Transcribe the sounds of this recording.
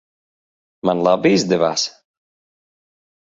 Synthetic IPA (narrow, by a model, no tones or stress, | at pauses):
manlˠabiizd̪ɛva̰ːs